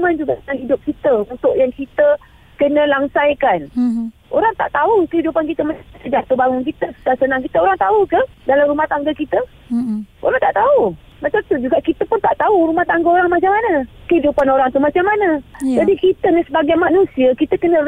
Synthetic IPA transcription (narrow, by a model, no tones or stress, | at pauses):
mand͡ʒuɡaʔənaŋɦidʊp̚kit̪əunt̪ʊʔjaŋkit̪ə | kənə̃laŋsajkan | ʔoɾaŋt̪a̰ʔt̪aukəɦidupankit̪əmat̪əd͡ʒat̪ubaŋʊŋkit̪əsu̥t̪asənãŋkit̪əoɾaŋt̪aukəhdalamɾumaht̪aŋɡəkit̪ə | o̰ɾaŋt̪aʔt̪au | mat͡ʃamt̪ud͡ʒuɡaʔkit̪əpʊnt̪aʔt̪auɾumaht̪aŋɡəoɾaŋmat͡ʃamanəkəhidupanoɾaŋt̪umat͡ʃamːanəd͡ʒadikit̪ənasəbaɡajmanũsiəkit̪əkənə̃